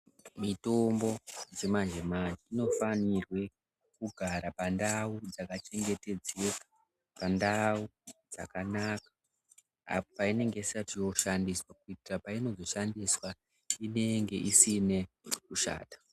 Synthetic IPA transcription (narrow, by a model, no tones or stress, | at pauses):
mito̞mbo̞d͡ze̞mand͡ʒemaniːno̞fanirwe̞ | kuɡʱaɾapandaud͡zakat͡ʃe̞ŋɡe̞te̞d͡zeka | pandaud͡za̰kanaːkḁ | a̰popaine̞ŋɡe̞isatijo̞ʃandiswakuitirapaino̞zo̞ʃandiswa | ine̞ŋɡe̞ʔisine̞ | kuʃa̰ːtḁ